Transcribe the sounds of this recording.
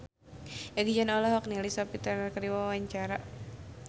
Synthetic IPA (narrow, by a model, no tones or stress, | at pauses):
aɡid͡ʒanɔlɔɦɔk̚nilisɔpit̪ənrkəɾiwawaɲt͡ʃaɾa